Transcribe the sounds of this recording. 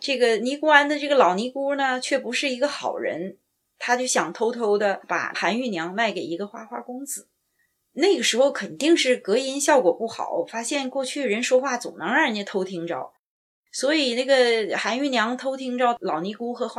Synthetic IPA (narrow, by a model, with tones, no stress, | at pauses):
ʈ͡ʂɤ˥˩ɡə˩ni˧˥ku˥a˧˥nd̪ə˧ʈ͡ʂɤ˥˩ɡə˩lɑ˨˩ʊni˧˥ku˥nə˨t͡ɕʰɥɛ˥˩pu˧˥ʂɻ̩˥˩i˧˥ɡə˧xɑ̰˨˩ʊɻə̰˧˥n | t̪ʰa˥t͡ɕjo˥˩ɕjɑ˨˩ŋt̪ʰo˥ʊt̪ʰo˥ʊd̪ə˧pa̰˨˩xa˧˥ny˥˩njɑ˧˥ŋma˥˩ɪke˨˩ɪi˧˥ɡə˧xwa˥xwa˥kʊ˥ŋd͡zɹ̩˨˩˦ | na˥˩ɪɡə˩ʂɻ̩˧˥xo˥˧ʊkʰə˨˩nt̪i˥˧ŋʂɻ̩˥˩kɤ˧˥i˧˥nɕjɑ˥˩ʊkwɔ˨˩pu˥˩xɑ̰˨˩˦ʊfa˥ɕjɛ˥˧nkwɔ˥˧t͡ɕʰy˥˩ɻə˧˥nʂwɔ˥xwa˥˩t͡so̰˨˩nɑ˧˥ŋa˞˥˧nɛ˥˩t̪ʰo˥ʊt̪ʰi˧˥ŋʈ͡ʂɑ˥ʊ | swɔ˧˥i˨˩na˥˩ɡə˩xa˧˥ny˥˩njɑ˧˥ŋt̪ʰo˥ʊt̪ʰi˧˥ŋʈ͡ʂɑ˥ʊlɑ˨˩ʊni˧˥ku˥xɤ˧˥xwa˥